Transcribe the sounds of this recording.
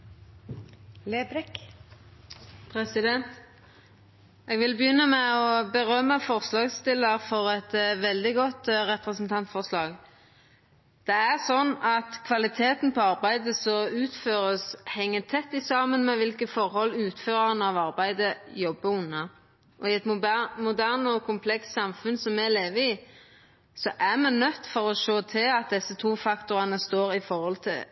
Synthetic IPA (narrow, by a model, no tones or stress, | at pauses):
leːbɾɛk | pʰʁɛsɪd̪ɛnt̪ | ɛːɡʋɪlbəjʏnːəmɛɔbəʁœməfɔʁslɑːɡsst̪ɪlːəʁfɔʁɛt̪ʋɛld̪ɪɡɔt̪ʁɛpʁəsnt̪ʰɑnt̪fɔʁslɑːɡ | d̪̥ɛæʁsɔnːɑt̪kʰʋɑlɪt̪ʰeːt̪npʰɔɑʁbæɪd̪əsɔʉːt̪føːʁəshɛŋːət̪ʰɛt̪ːɪsɑːmənmɛʋɪlkəfɔɾhɔlːʉːt̪føːʁɑnəɑʋɑɾbæɪd̪əjɔbːəʉnːɑ | ʔɔɪɛt̪mʊd̪æʁnɔkʰʊmpʰlɛkst̪sɑmfʉnsɔmɛleːʋəɪ | sɔʔæʁmɛnœt̪ːfɔɾɔʂoːt̪ʰɪlɑt̪̚d̪ɛsːət̪ʰuːfɑkt̪ʊʁɑnəst̪oːɾɪfɔɾhɔlt̪ʰɪl